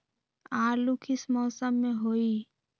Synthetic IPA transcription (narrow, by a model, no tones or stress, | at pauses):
aːɾlukʰɪsmɔːsəmːẽɦoːiː